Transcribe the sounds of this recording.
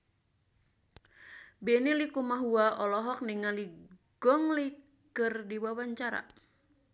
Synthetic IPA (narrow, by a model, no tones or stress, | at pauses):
bɛnilikumaɦuaʔɔlɔɦɔk̚niŋaliɡ̥ɔŋli | kɨrdiwawaɲt͡ʃaɾa̰